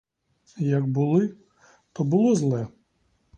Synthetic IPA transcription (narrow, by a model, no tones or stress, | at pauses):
jɐɡbʊlˠɪ | t̪ɔbʊlˠɔzlˠɛ